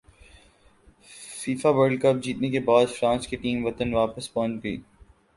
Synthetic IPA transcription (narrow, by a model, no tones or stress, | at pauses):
fiːfaʋəɾɖkɐp̚d͡ʒiːt̪nekebaːd̪fɾãːnskiʈiːmʋɐt̪ənʋaːpəspɔ̃ːnt͡ʃɡɐḭː